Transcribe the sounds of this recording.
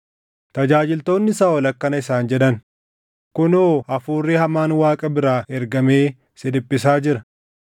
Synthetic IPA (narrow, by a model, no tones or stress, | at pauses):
t̪ɐd͡ʒaːd͡ʒɪlt̪o̞ːnːɪsaːɔlɐkːɐnɐɪsaːnd͡ʒɛᶑɐn | kʊnoːʔɐfuːrːɪhɐmaːnwaːkʼɐbɪɾaːɛɾɡɐme̞ː | sɪdɪpːɪs̬aːd͡ʒɪɾɐ